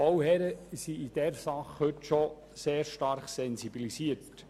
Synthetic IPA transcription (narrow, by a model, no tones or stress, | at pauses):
owhɛɾəsiid̥ɛɾsɑχhɵtʃo | seːɾʃtɑɾχsɛnsibilisiət